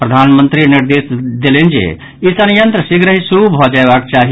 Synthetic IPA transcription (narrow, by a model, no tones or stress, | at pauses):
pɾəd̪ʱanmənt̪ɾiniɾd̪esd̪elend͡ʒḛ | isənijənt̪ɾəsiɡɾəɦisubʱɔd͡ʒaebakt͡ʃaɦi